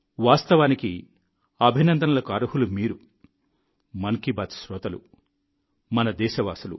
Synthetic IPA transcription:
ʋaːst̪ɐʋaːniki | ɐbʱinɐnd̪ɐnɐlɐkaːɾuɦulumiːɾu | mɐŋkibaːt̪sɾɔːt̪ɐlṵ | mɐnɐd̪ɛːʃɐʋaːsulṵ

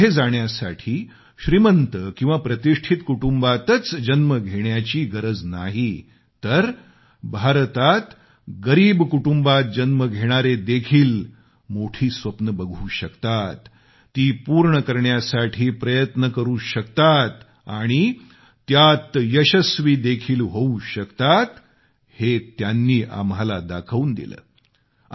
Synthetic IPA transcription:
ed͡zaɳjasa̰ʈʰiː | ɕɾimənt̪əkĩw̃ʋapɾət̪iʂʈʰit̪kuʈumbat̪ət͡sd͡ʑənməɡʱeɽjat͡ɕiːɡəɾəd͡zna̰ɦi | t̪əɾ | bʱaɾt̪at̪ | ɡəɾiːbkuʈumbat̪̚d͡ʑənməɡʱeɽ̃aɾed̪ekʰiːl | moʈʰiːsʋəpnəbəɡʱuːɕəkt̪at̪ː | iːpuːɾɳəkəɾɳjasaʈʰiːpɾəjət̪nəkəɾuːɕəkt̪at̪ | aɽ̃i | t̪jat̪jəɕəsʋiːd̪ekʰiːlɦouɕəkt̪at̪ | het̪janːiːʔa̰mɦalad̪akʰʋuːnd̪ḭlə̰ː

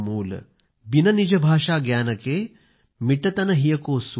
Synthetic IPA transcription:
muːlɐ̰ | binɐnid͡ʒɐbʱaːʂaːɡjaːnɐkeː | miʈɐt̪ɐnɐɦijɐkoːs

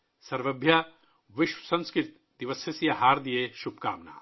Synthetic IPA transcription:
sɐɾʋɐbʱja | ʋɪʃwəsɐ̃nskɾɪt̪ | d̪iʋɐsesijɐɦaːɾd̪ijeʃub̚ka̰ːmna̰ː

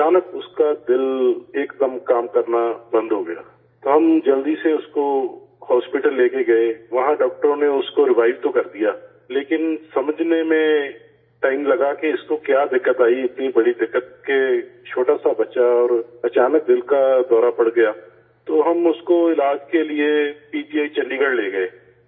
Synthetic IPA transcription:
ɐt͡ʃaːnəkʊskad̪ɪleːkd̪əmkaːmkɐɾnabɐ̃nd̪ɦoːɡɐja̰ː | t̪oɦɐmd͡ʒɐld̪iseʊsko | hɔːspɪʈəlːeːkeɡɐeʋɐɦãɖɔːk̚ʈəɾõneʊskoɾɪʋaːɪʋt̪okɐɾd̪ijaː | leːkɪnsɐməd͡ʒʱnemẽ | ʈaːɪmlɐɡakeɪskokjaːd̪ɪkːət̪aːiɪt̪nibɐɽid̪ɪkːət̪̚ket͡ʃʰoːʈasabɐtːʃaɔːɾɐt͡ʃaːnək̚d̪ɪlkad̪ɔːɾapɐɽɡɐjaː | t̪oːɦɐmʊskoɪlaːd͡ʒkeliepiːpiaːit͡ʃɐnɖĩɡəɽleːɡɐeː

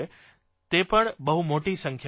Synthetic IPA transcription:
e | t̪eːpəɽ̃ɓɐɦumoːʈisɐ̃ŋkʰ

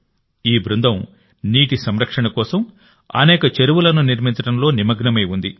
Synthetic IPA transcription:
iːbɾund̪ʱɐm | niːʈisɐmɾɐkʂɐɳɐkɔːsɐm | ɐ̰nɛːkɐt͡ʃeɾuʋulɐnuniɾmint͡ʃɐɽɐmlo̞ːnimɐɡnɐmɐjund̪i

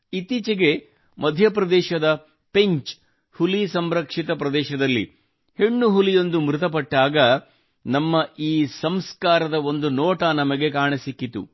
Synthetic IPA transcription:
it̪it͡ʃɐɡe̞ | mɐd̪ʱjɐpɾɐd̪ɛːʃɐd̪ɐ | pe̞ɲt͡ʃ | hulisɐmɾɐkʂit̪ɐpɾɐd̪ɛːʃɐd̪ɐlːḭ | heɳːuɦulijo̞nd̪umɾut̪̬ɐp̬ɐʈːaːɡɐ | nɐmːɐʔiːsɐmskaːɾɐd̪ɐo̞nd̪unɔːʈɐnɐmɐɡe̞kaːɳisikːit̪ṵ

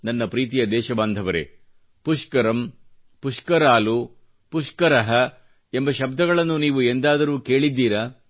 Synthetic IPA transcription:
nɐnːɐpɾiːt̪ijɐd̪ɛːʃɐbaːnd̪ʱɐʋɐɾḛ | puʂkɐɾɐm | puʂkɐɾaːlu | puʂkɐɾɐɦɐ | embɐʃɐbd̪ʱɐɣɐɭɐnːuniːʋuend̪aːd̪ɐɾuːke̞ːɭid̪ːiːɾɐ

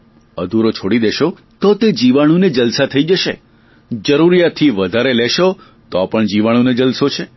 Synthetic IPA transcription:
ə̰d̪ʱuɾot͡ʃʰoɽid̪eʃo | t̪ot̪ed͡ʒiʋaɽ̃ũned͡ʒəlsat̪ʰəid͡ʒəʃḛ | d͡ʒəɾuɾijat̪ʰːiʋəd̪ʱaɾeleʃo | t̪oapəɳd͡ʒiʋaɽ̃uned͡ʒəlsot͡ʃʰe

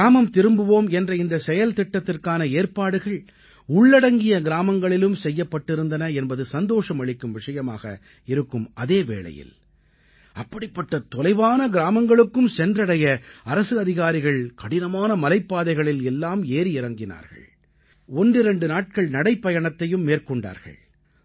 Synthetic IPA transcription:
aːmɐmt̪ɪɾɯmbɯʋoːmɛndrɐɪnd̪ɐsɛjɐlt̪ɪʈːɐt̪ːɪrkaːnɐeːrpaːɽɯɣɐɭ | ʊɭːɐɽɐŋɡɪjɐɡɪɾaːmɐŋɡɐɭɪlɯmsɛjːɐpːɐʈːɪɾɯnd̪ɐnɐɛnbɐðɯsɐnd̪oːʂɐmɐɭɪkːɯmʋɪʂɐjɐma̰ːɣɐ̰ | ɪɾɯkːɯmɐðeːʋḛːɭɐ̰jɪ̰l | ɐpːɐɽɪpːɐʈːɐt̪ɔlɐɪʋaːnɐɡɪɾaːmɐŋɡɐɭɯkːɯmsɛndrɐɽɐjɐɐɾɐsɯɐðɪɣaːɾɪɣɐɭkɐɽɪnɐmaːnɐmɐlɐɪpːaːðɐɪɣɐɭɪlɛlːaːmeːɾɪɪɾɐŋɡɪna̰ːɾɣɐ̰ɭ | ɔndrɪɾɛɳɖɯnaːʈ̚kɐɭnɐɽɐɪpːɐjɐɳɐt̪ːɐjɯmːeːrkɔɳɖa̰ːɾɣɐ̰ɭ

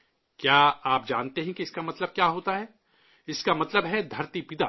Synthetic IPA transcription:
kjaːaːp̚d͡ʒaːnt̪eɦɛ̃kiɪskamɐt̪ləb̚kjaːɦoːt̪aɦɛː | ɪskamɐt̪ləbɦɛd̪ʱɐɾt̪ipɪd̪aː

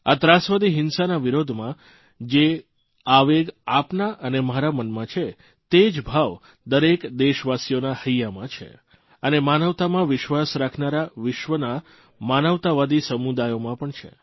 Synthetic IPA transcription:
at̪ɾãsʋad̪iɦɪnsanaʋiɾod̪ʱmã | d͡ʒe | aʋeɡapnaʔənemaɾamənmãt͡ʃʰe | t̪ed͡ʒbʱaʋ | d̪əɾekd̪eʃʋasjonahəjjamãt͡ʃʰḛ | ənemanəʋt̪amãʋɪʃʋasɾakʰnaɾaʋɪʃʋəna | manəʋt̪aʋad̪isəmud̪ajomãpəɳt͡ʃʰḛ

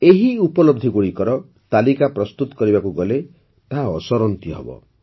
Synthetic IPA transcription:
eɦiupɔlɔb̚d̪ʱiɡuɽikɔɾɔ | t̪alikapɾɔst̪ut̪ɔ̥kɔɾibakuɡɔle | t̪aɦaɔsɔɾɔnt̪iɦḛbɔ̰

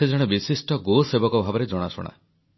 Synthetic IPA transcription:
ed͡ʒɔɽ̃ebisisʈɔɡosebɔkɔbʱabɔɾed͡ʒɔɽ̃asṵɽ̃a̰

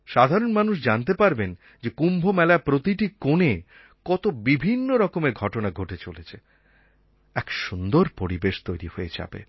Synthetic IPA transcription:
ʃad̪ʱaɾonmanuʃ̬d͡ʑant̪epaɾben | d͡ʑekumbʱomɛlapɾot̪iʈikone | kɔt̪obibʱinːoɾɔkomeɾɡʱɔʈonaɡʱoʈet͡ɕolet͡ɕʰe | ɛkʃund̪oɾpoɾibeʃt̪ojɾihoed͡ʑa̰bḛ

